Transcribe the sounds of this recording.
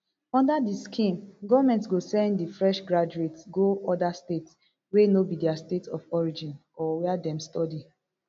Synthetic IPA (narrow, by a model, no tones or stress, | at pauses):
ɔ̃ndadiskʰĩmɡɔvamɛ̃ntsɡosɛ̃nddifɹɛʃɡɹad͡ʒuetsɡoɔdastets | wenobidɛastetɔfɔɹid͡ʒĩnɔwɛadɛ̃mstɔdi